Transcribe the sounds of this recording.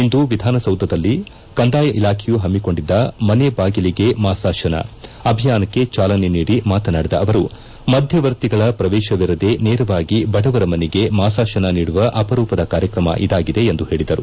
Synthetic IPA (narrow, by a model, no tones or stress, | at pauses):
ind̪uʋid̪ʱaːnɐsɐwd̪ʱɐd̪ɐlːi | kɐnd̪aːjɐʔilaːkʰejuɦɐmːiko̞ɳɖid̪ːɐmɐnebaːɡiliɡe̞maːsaːʃɐnɐ̰ɐbʱijaːnɐkːe̞t͡ʃaːlɐne̞niːɽimaːt̪ɐnaːɽid̪ɐɐʋɐɾu | mɐd̪ʱjɐʋɐɾt̪iɡɐɭɐpɾɐʋɛːʃɐʋiɾɐd̪e̞nɛːɾɐʋaːɡibɐɽɐʋɐɾɐmɐneɡe̞maːsaːʃɐnɐniːɽuʋɐʔɐpɐɾuːpɐd̪ɐkaːɾjɐkɾɐmɐ̰ʔḭd̪aːɡid̪e̞ːnd̪uɦe̞ːɭid̪ɐɾu